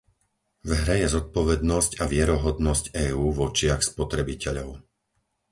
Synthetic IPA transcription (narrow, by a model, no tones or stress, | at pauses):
vɦɾɛjɛzɔt̪̚pɔʋɛd̪nɔscaʋɪɛɾɔɦɔd̪nɔscɛːuːʋɔt͡ʃɪaxspɔt̪ɾɛbicɛʎɔʊ